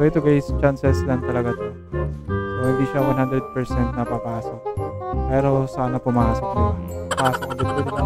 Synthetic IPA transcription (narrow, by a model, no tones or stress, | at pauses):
soʔɛt̪oɡajst͡ʃansɛslant̪ɐlɐɡat̪a | sohɪnd̪iːʃawɐnhand̪ɾɛd̪̚pɛɹsɛnt̪̚nɐpɐpaːsok̚pɛːɾo̞saːnɐpʊmaːsok̚nʊapɐpaːsok̚ɡʊt̪̚kʊla